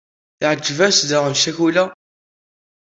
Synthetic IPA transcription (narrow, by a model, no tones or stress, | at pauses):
θʕəd͡ʒːəvæsðəʁəmʃæçulæ